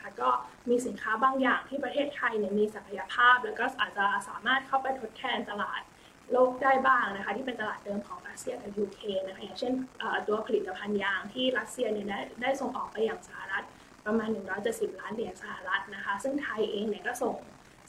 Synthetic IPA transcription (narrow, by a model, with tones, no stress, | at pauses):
a˥kɔː˥˩miː˧si˨˩˦nkʰaː˦˥baː˧ŋjaː˨˩ŋt̪ʰiː˥˩pɾa˧eː˥˩t̪̚t̪ʰa˧jni˥˩ɐmiː˧sa˨˩kʰa˧ja˧pʰaː˥˩p̚lɛː˦˥wkɔː˥˩ʔaː˨˩t̪̚t͡ɕa˧˩saː˨˩˦maː˥˩t̪̚kʰa˥˩wpa˧jt̪ʰo˦˥t̪̚k̪ʰɛː˧nt̪a˧laː˨˩t̪̚ | loː˥˩k̚daː˥˩jbaː˥˩ŋna˦˥kʰa˦˥t̪ʰiː˥˩pe˧nt̪a˧laː˨˩t̪̚dɤː˧mkʰɔː˩˦ŋɾa˦˥t̪̚si˧ɐka˨˩juː˧kʰɾeː˧na˦˥kʰa˦˥jaː˨˩ŋt͡ɕʰe˥˩nʔəː˨˩t̪u˧ɐpʰa˧li˨˩t̪ːa˧pʰa˧njaː˧ŋt̪ʰiː˥˩ɾa˦˥t̪̚si˧ɐni˥˩da˥˩jdaː˥˩jso˨˩ŋʔɔː˨˩k̚pa˧jːaː˨˩ŋsa˧ha˨˩ɾa˦˥t̪̚ | pɾa˧maː˧nːɯ˨˩ŋɾɔː˦˥jt͡ɕe˨˩t̪̚si˨˩p̚laː˦˥ndi˨˩˦ənsa˧ha˨˩ɾa˦˥t̪̚na˦˥kʰa˦˥sɯ˥˩ŋt̪ʰa˧jʔeː˧ŋni˥˩kɔː˥˩so˨˩ŋ